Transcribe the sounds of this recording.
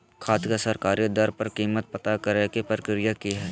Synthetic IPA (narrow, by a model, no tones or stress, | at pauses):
kʰaːt̪kasɐɾkaːɾid̪ɐɾpɐɾkiːmət̪̚pɐt̪akɐɾekipɾəɾkɾijakiɦɛː